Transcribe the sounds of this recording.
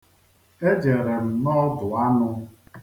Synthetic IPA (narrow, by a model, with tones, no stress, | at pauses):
e˦d͡ʒe˨ɾe˨m̩˨nɔ˦dʊ˨a˦nʊ˦